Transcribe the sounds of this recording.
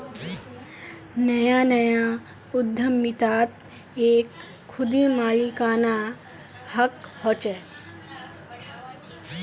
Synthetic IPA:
nəjanəja | ʊd̪ʱːəmːɪt̪aːt̪ | eːkʰː | ʊd̪imaːlikaːna | həkhoːt͡ʃɛ

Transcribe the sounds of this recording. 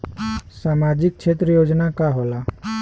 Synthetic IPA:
saːmad͡ʒɪk̚t͡ʃʰet̪ɾəjoːd͡ʒnakaɦola

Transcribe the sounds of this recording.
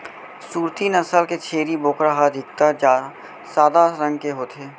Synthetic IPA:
suːɾt̪inəsəlket͡ʃʰeːɾiboːkɾaɦad̪ʱɪk̚t̪ad͡ʒaː | saːd̪aɾə̃ŋɡ̚keɦoːt̪ʰeː

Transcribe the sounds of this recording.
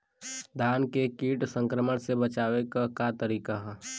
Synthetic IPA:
d̪ʱaːnkekiːʈsə̃ŋkɾəməɽsebət͡ʃaːwekakat̪əɾiːkaɦɛː

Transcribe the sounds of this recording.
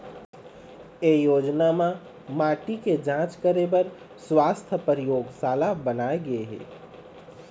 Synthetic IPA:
ejod͡ʒnama | maʈiked͡ʒãt͡ʃkəɾebəɾ | swast̪ʰpəɾjoɡsalabənaeɡeɦḛ

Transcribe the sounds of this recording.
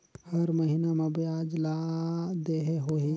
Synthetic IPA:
həɾməɦinamẽbjaːd͡ʒlad̪eɦeɦoɦi

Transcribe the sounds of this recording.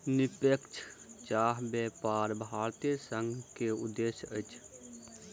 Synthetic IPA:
nɪpekt͡ʃʰt͡ʃaːɦbjɛːpaːɾbʱaːɾt̪ijsə̃ŋɡʱkeʊd̪ːeʃjət͡ʃʰ

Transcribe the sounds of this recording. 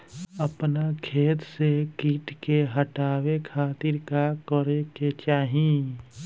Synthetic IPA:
ɐpnakʰeːt̪sekiːʈkeɦəʈaːwekʰaːt̪ɪɾkakəɾeket͡ʃaːɦiẽ

